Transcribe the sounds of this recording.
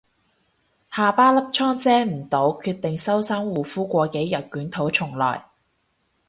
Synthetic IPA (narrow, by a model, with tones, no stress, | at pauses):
haː˨˧paː˥lɐ˥p̚t͡ʃʰɔː˥ŋt͡sɛː˥m̩˨˩t̪o˨˥wkʰyː˧t̪ɪ˨ŋsɐ˥wsaː˥ŋwuː˨˩fuː˥kʷɔː˧ke˨˥jːɐ˨t̚kyː˨˥nt̪ʰo˨˥wt͡ʃʰʊ˨˩ŋlɔ̰ː˨˩j